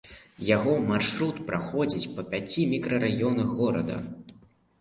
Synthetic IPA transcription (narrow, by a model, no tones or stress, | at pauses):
jaɣɔmarʂɾut̪pɾʔaxɔd͡zʲit͡sʲpɐpʲat͡sʲimʲikɾɐɾajɔnɐɣɔɾɐ̰d̪ɐ̰